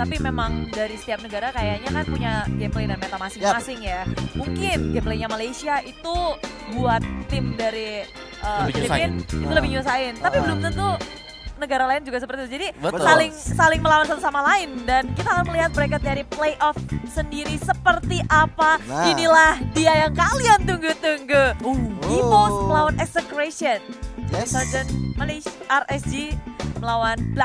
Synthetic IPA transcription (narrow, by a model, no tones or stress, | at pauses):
t̪apimemaŋdaɾisə̥t̪iap̚nəɡaɾakajaɲakanpuɲaɡemplejdanmet̪amasɪŋmasɪŋjamuŋkɪnɡempleɲamalajsiaʔit̪u | buat̪̚ːɪmdaɾi | ʔəːiliɪnḭt̪uləbihɲusaɪnt̪apibəlʊmt̪ənt̪u | nəɡaɾalaɪnd͡ʒuɡas̬əpərt̪it̪ud͡ʒadibəsalɪŋsalɪŋməlawansat̪usamalaɪndankit̪aːkanməliɦat̪̚bəɾekət̪̚daɾipleʔɔfsəndiɾisəpərt̪iʔapainilahdiajaŋkaliant̪uŋɡut̪ʊŋɡuiposməlawanɛksəkɾesiənsad͡ʒənməliʔarɛsd͡ʒiməlawanbla